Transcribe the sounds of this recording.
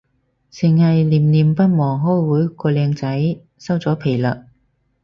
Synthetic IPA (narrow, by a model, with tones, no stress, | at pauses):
t͡sʰɪ˨˩ŋhɐ˨jliː˨˩mliː˨mpɐ˥t̚mɔː˨˩ŋɦɔː˥jwuː˨˥jkɔː˧lɛː˧ŋt͡sɐ˨˥j | sɐ˥wt͡sɔː˨˥pʰe˨˩jlɐ˨k̚